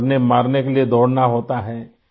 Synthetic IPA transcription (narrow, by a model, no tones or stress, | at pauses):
ɾnemaːɾnekelied̪ɔːɽnaɦoːt̪aɦɛː